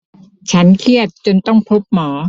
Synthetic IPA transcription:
t͡ɕʰa˦˥nkʰi˥˩ət̪̚t͡ɕo˧nt̪ɔ˥˩ŋpʰo˦˥p̚mɔː˩˦

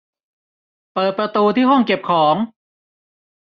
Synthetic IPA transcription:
pɤː˨˩t̪̚pɾa˧t̪uː˧t̪ʰiː˥˩ɦɔ˥˩ŋke˨˩p̚kʰɔː˩˦ŋ

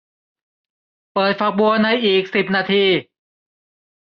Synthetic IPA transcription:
pɤː˨˩t̪̚fa˧˥k̚bu˧ɐna˧jʔiː˨˩k̚si˨˩p̚naː˧t̪ʰiː˧

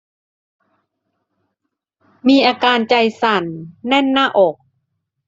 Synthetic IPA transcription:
miː˧ʔaː˧kaː˧nt͡ɕa˧jsa˧˩nːɛ˥˨nːaː˥˩ʔɔː˨˩k̚

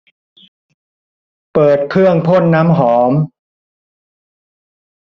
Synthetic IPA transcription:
pɤː˨˩t̪̚kʰɾɯ˥˩əŋpʰo˥˩nːaː˦˥mɦɔː˩˦m

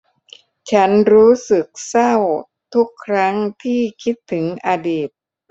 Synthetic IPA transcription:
t͡ɕʰa˦˥nɾuː˦˥sɯ˨˩k̚sa˥˩w | t̪ʰu˦˥kʰːɾa˦˥ŋt̪ʰiː˥˩kʰi˦˥t̪ʰːɯ˩˦ŋʔaː˧diː˨˩t̪̚

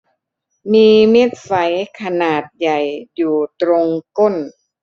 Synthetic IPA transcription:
miː˧me˦˥˩t̪̚fa˩˦jkʰa˧naː˨˩t̪̚ja˨˩jjuː˨˩t̪ɾo˧ŋko˥˩n

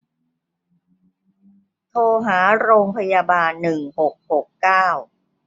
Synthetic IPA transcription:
t̪ʰoː˧ɦaː˩˦ɾoː˧ŋpʰa˧ja˧baː˧nːɯ˨˩ŋho˨˩k̚ho˨˩kːaː˥˩w

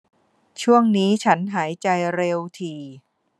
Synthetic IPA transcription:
t͡ɕʰu˥˩əŋniː˦˥t͡ɕʰa˦˥nɦaː˩˦jt͡ɕa˧jɾe˧wt̪ʰiː˧

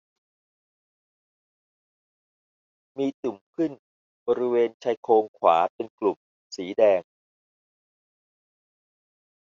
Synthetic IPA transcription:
miː˧t̪u˨˩mkʰɯ˥˩n | bɔː˧ɾi˦˥weː˧nt͡ɕʰa˧jkʰoː˧ŋkʰwa̰ː˩˦pe˧nklu˨˩m̚ | siː˩˦dɛː˧ŋ

